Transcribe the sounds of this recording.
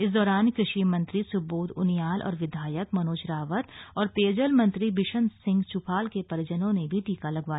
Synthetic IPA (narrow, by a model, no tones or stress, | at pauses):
ɪsd̪ɔːɾaːnkɾɪʃimɐ̃nt̪ɾisʊboːd̪ʊ̰njaːlʔɔ̰ːɾʋɪd̪ʱaːjəkmɐnoːt͡ʃɾaːʋət̪ɔːɾpeːd͡ʒəlmɐ̃nt̪ɾibɪʃənsɪ̃ŋɡt͡ʃʊpʰaːlkepɐɾd͡ʒənõnebʱiʈiːkalɐɡʋaːj